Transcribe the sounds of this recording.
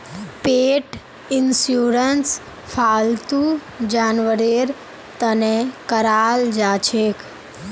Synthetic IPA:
peʈ | ɪnsjuɾəns | fʰalt̪u | d͡ʒanʋəɾeɾ | t̪ənekəɾald͡ʒat͡ʃʰek

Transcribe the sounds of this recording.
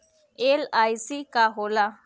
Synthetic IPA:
elajsikaɦola

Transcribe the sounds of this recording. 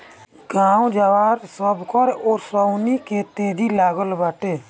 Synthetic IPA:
ɡãːw̃d͡ʒaʋaɾsəbkɔɾɔːɾsɾəwniket̪eːd̪ilaːɡəlbaʈeː

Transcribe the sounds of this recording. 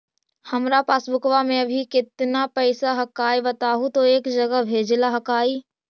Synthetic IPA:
hɐmɾapaːsbʊkʋamẽɐbʱikɪt̪napɐɪsaɦɐkaːibɐt̪aːɦũt̪oeːkd͡ʒɐɡəɦbʱeːd͡ʒlaɦɐkaːi

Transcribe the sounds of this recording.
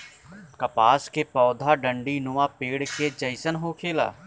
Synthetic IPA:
kəpaːskepɔːd̪ʱaɖə̃ɳɖinʊʋãpeːɽked͡ʒəɪsənɦokʰeːla̰ː

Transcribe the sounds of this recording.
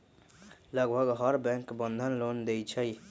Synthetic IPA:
ləɡbʱəɡɦəɾbɛ̃ŋkbənd̪ʱənlond̪ejt͡ʃʰəj

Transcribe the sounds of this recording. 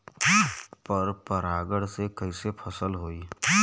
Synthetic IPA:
pəɾpəɾaːɡəɽsekəisepʰəsəlɦoːiː

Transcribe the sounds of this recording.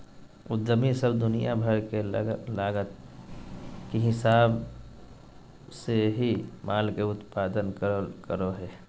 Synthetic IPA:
ʊd̪ːəmisəbd̪ʊnijabʱəɾkelaːɡət̪ | kiɦɪsaːb | seɦimʔaːlkeʊt̪paːd̪ənkəkəɾoɦɛː

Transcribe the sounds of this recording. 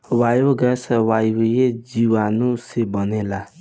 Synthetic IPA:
wajoɡɛsɛwajwejed͡ʒiwanũsebɔnẽla

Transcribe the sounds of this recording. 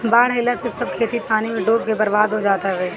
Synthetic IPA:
baːɽɦɪlasesɐb̚kʰeːt̪ipaːnimẽɖoːk̚kebɐɾbaːd̪ɦod͡ʒaːt̪aɦɛː

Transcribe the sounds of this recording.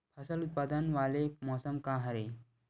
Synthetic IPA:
pʰəsəlut̪̚pad̪ənʋalemɔsəmkaɦəɾe

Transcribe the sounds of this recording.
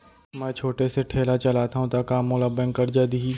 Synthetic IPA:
mɛ̃ːt͡ʃʰoːʈeseʈʰeːlat͡ʃɐlaːt̪aɦũt̪akaːmːʊlabɛ̃ŋkɐɾd͡ʒaːd̪iiː

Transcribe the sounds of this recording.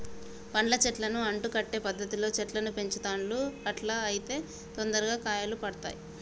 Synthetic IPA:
pɐɳlɐt͡ʃɛʈlɐnuɐɳʈukɐʈːe̞ːpɐd̪ʱːɐt̪ilo̞ːt͡ʃɛʈlɐnupe̞ɲt͡ʃɐt̪aːɳluɐʈlaːɐjit̪e̞ː | t̪ond̪ɐɾuɡaːkaːjɐlupɐɽɐt̪a̰ːji

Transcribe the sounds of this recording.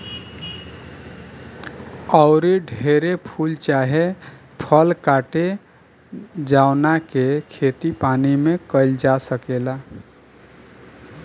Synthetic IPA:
əʊɾiɖʱeɾepʰult͡ʃaɦe | pʰəlkaʈe | d͡ʒaʊnakekʰet̪ipanimekəɪld͡ʒasəkela

